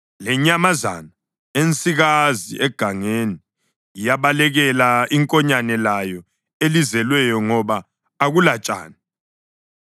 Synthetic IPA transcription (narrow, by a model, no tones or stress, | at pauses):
lɛɲamaza̰na | ent͡sʼiɣazḭʔɛɡ̥ʱaŋeni | ijaβalɛɣɛlaiŋkʼɔɲanɛlajɔ | elizɛlwɛjɔŋɔβaː | ɣulat͡ʃʼa̰ːni